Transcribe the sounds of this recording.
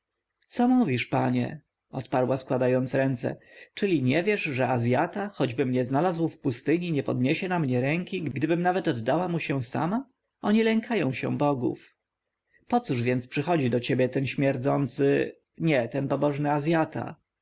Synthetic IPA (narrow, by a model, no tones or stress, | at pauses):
t̪sɔmuvʲiʂpaɲɛ̰ | ɔt̪paɾwaskwad̪ajɔnt̪sɾɛnt̪sɛ̰t͡ʂɘlʲiɲɛvʲjɛʐʐɛazʲjat̪axɔd͡ʑbɘmɲɛznalazwfpust̪ɘɲiɲɛpɔd̪̚ɲeɕɛnamɲɛɾɛŋkʲiɡɡd̪ɘbɘmnavɛt̪ɔd̪ːawamuɕɛsa̰ma | ɔɲilɛŋkʰajɔ̃w̃ɕɛ̰bɔɡṵf | pɔt̪suʐvʲjɛnt̪spʂɘxɔd͡ʑid̪ɔt͡ɕebʲjɛt̪ɛnɕmʲjɛɾd̪zɔnt̪sɘ | ɲɛt̪ɛnpɔbɔʐnɘazʲjat̪a̰